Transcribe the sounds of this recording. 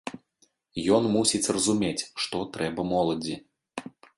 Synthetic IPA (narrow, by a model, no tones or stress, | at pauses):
jɔnmusʲisʲrɐzumʲet͡sʲʂt̪ɔt̪ɾɛbɐmɔlˠɐd͡zʲi